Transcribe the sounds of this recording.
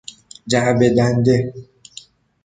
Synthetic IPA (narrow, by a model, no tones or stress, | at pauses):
d͡ʒabedande